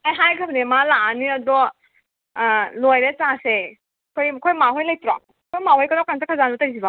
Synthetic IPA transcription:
ajɦajɡʰabʰnemalaniɐdɔ | lojɾet͡ʃase | kʰojkʰojmaɦojlajtuɾa̰ | kʰojmahɔjkɐnawkansʰakʰazanbɔtɐɾisiba

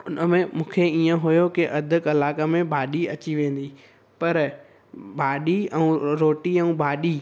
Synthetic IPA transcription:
ʊnəmẽmũːkʰeiːə̃ɦʊjokɪʔɐd̪ʱʊ̆kɐlaːkəmẽbʱaːɗiɐt͡ɕiʋẽːn̆d̪i | pɐɾ | bʱaːɗiɛ̃ũɾoːʈiɛ̃ũbʱaːɗi

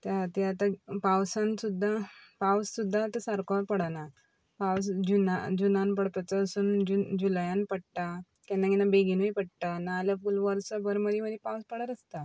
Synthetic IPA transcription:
t̪at̪iat̪apawsãnsud̪ʱːapawsud̪ʱːat̪əsaɾkɔpəɽana | pawsd͡ʑunad͡ʑunanpəɽt̪at͡saːsuːnd͡ʑud͡ʑuljãnpəɽʈ̪a | kɛnːaɡinabeɡinujpəɽʈ̪anaːljafulʋəɾsəbəɾməd̪iməd̪ipawspəɽaɾəst̪a

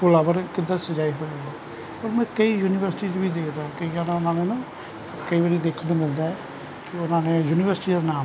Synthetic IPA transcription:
pʊlaːʋəɾkɪd̪asəd͡ʒaːiːɦoːd͡ʒaːd̪aː | oːɾmɛ̃ːkəiːjuːnɪʋəɾsʈiːt͡ʃbiːd̪eːkʰd̪aːkəiãːnãːʊnãːneːnãː | kəiːbəɽiːd̪eːkʰənmɪld̪aːɛː | kɪʊnãːnẽːjuːnɪʋəɾsɪʈiːd̪aːnaːm

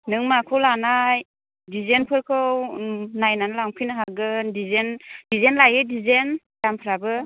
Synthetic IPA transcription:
nɯŋmakʰɯwlanaj | dizenpʰɯɾkʰɯwnajnanɯlaŋpʰinɯɦaɡɯndizendizenlajɯdizen | dampʰɯɾabɯ

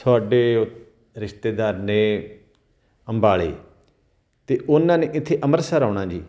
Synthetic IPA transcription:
t̪ʰʊaːɖeː | ɾɪʃt̪eːd̪aːɾnẽː | əmbaːɭḛː | t̪eːʔʊnãːneːʔɪt̪ʰːeːʔəməɾsaːɾaːɳ̃ãːd͡ʒiː

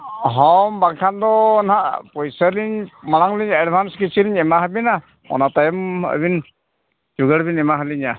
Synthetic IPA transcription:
ɦɔmbaŋkʰand̪ɔnhaʔpɔjsəɾliɲmaɽaŋliɲɛɖbʱanskit͡ʃiliɲɛmaɦabina | ɔ̰nat̪ajɔmə̰bin | d͡ʒuɡəɽbinɛmaɦaliɲa

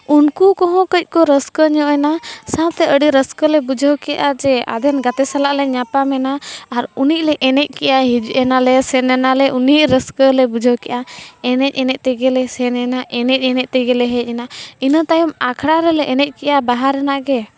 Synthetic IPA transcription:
unkukɔɦɔ̃kəc̚ˀkɔɾəskəɲɔ̃ʔɛnasãt̪ɛʔəɖiɾəskəlɛbud͡ʒʱəwkɛjaʔad͡ʒɛa̰d̪ʱɛnɡat̪ɛsalaʔlɛɲapamɛnaːɾunic̚ˀlɛʔɛnɛc̚ˀkɛʔaɦid͡ʒuʔɛnalɛsɛnɛnalɛʔunic̚ɾəskəlɛbud͡ʒʱəwkɛʔaɛnɛc̚ˀɛnɛc̚t̪ɛɡɛlɛsɛnɛnaʔɛnɛc̚ˀɛnɛc̚ˀt̪ɛɡɛlɛɦɛc̚ˀɛnainət̪ajumakʰɽaɾɛlɛʔɛnɛc̚ˀkɛʔabaɦaɾɛnaʔɡɛ

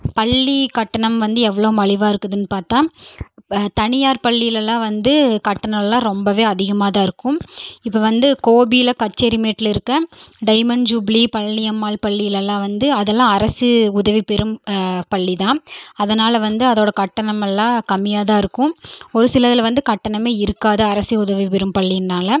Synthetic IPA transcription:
pɐɭːikɐʈːɐɳɐmʋɐnd̪ɯɛʋːɐɭoːmɐɭɪʋaːɪɾɯkːɐðɯnːɯpaːɾt̪ãː | t̪ɐnɪjaːɾpɐɭːɪjɪlɛlːãːʋɐnd̪ɯkɐʈːɐɳɐɛlːãːɾɔmbɐʋeːɐðɪɣɐmaːðãːɪɾɯkːʊ̃mɪpːɐʋɐnd̪ɯkoːbijlɐkɐt͡ʃːɐɾimeːʈːɪlɪɾɯkːɐɖɐɪmɐnd͡ʒubɭipɐɻːɪjɐmːaːlpɐɭːɪjɪlɛlːãːʋɐnd̪ɯɐðɛlːãːɐɾɐsɯʊðɐʋipɛɾɯmpɐɭːiðãːɐðɐnaːlɐʋɐnd̪ɯɐðoːɽɐkɐʈːɐɳɐmɛlːãːkɐmːɪjaːðaːɪɾɯkːʊ̃ɔɾɯsɪlɐðɪlʋɐnd̪ɯkɐʈːɐɳɐmeːɪɾɯkːaːðɐɐɾɐsɯʊðɐʋipɛɾɯmpɐɭːiɪnːaːlɐ

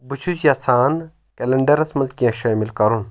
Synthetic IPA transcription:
but͡ʃʰusjaːsaːn | kelɐɳɖɐɾɐsmɐlkijãːʃaːmilkɐɾun

